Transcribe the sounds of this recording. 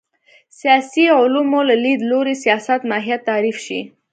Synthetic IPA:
sijɑsiʕʊlumolalid̪loɾisijɑsat̪mɑɦijat̪ːaɾifʃḭ

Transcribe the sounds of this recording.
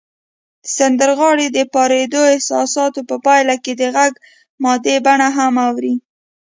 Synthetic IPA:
d̪̥əsand̪əɾɣɑɽed̪əpɑɾed̪oɪhsɑsɑt̪opəpɑjlaked̪əɣaɡ | mɑd̪ebaɳaɦamawɾi

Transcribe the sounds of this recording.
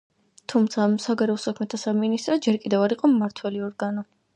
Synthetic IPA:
t̪ʰumt̪sʰasaɡaɾɛɔsakʰmɛt̪ʰasaminist̪ʼɾɔd͡ʒɛɾkʼid̪ɛvaɾiqʼɔmːaɾt̪ʰwɛliɔɾɡanɔ

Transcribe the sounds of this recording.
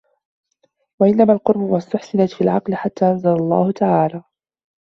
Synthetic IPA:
waʔɪnːamaːlqʊɾbʊwast̪ːʊħsɪnat̪fiːlʕɑ̰qlɪħat̪ːaːʔanzalalˤːɑ̰ːhʊt̪aʕaːlaː

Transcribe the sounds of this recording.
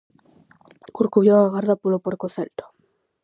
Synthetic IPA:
kuɾkuβjoaɣaɾðapolopoɾkoθelt̪o̥

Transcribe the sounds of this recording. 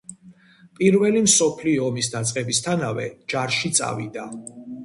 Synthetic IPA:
pʼiɾvɛlimsɔpʰliɔɔmisd̪at̪sʼqʼɛbist̪ʰanavɛ̰d͡ʒaɾʃit̪sʼa̰vḭd̪a

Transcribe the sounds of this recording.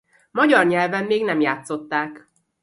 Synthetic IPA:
mɒɟɒrɲɛlvɛmːeːɡnɛmjaːt̪so̞t̪ːaːk

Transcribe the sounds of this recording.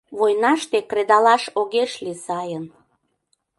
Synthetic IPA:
βojnɑʃt̪ekred̪ɑlɑʃoɣeʃlisɑjən

